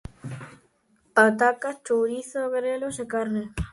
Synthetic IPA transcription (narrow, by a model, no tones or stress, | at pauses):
at̪akat͡ʃowɾiθoɣeɾelosekaɾne